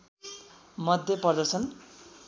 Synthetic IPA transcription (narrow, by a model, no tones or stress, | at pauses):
mʌd̪ʱjʌpʌrd̪ʌsʰʌn